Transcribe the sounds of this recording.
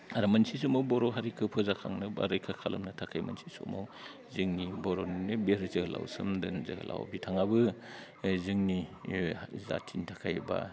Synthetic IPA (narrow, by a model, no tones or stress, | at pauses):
aɾamɐnsisumɔwbɔɾɔɦaɾikʰɯpʰɯzakʰa̰ŋnɯba̰ɾɯjkʰakʰalɐ̰mnɐtʰakʰajmɐ̰nsisṵmɔw | zɯŋnibɔɾoninɯbeɾzɯhla̰wsɯmdɯnzɯhɯ̰lʔa̰wbitʰaŋabɯ | zɯŋni | za̰tʰintʰakʰajba̰